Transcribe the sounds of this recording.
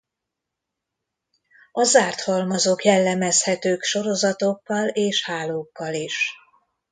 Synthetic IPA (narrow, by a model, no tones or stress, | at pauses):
ɒzaːrt̪hɒlmɒzokjɛlːɛmɛshɛt̪øːkʃo̞ɾo̞zɒt̪o̞kːɒleːʃhaːloːkːɒliʃ